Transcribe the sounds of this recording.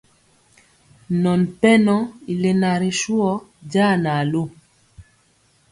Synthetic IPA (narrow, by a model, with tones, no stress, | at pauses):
nɔ˨npɛ˦nɔ˦i˨le˨na˨ɾi˨ʃu˦ɔ˦d͡ʒaː˦˨na˨lo˦